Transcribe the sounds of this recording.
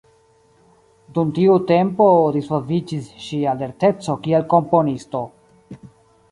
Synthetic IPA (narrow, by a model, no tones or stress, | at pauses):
dumtiute̞mpo̞ɾisolvid͡ʒisʃiale̞ɾte̞t͡so̞kielko̞mpo̞nisto̞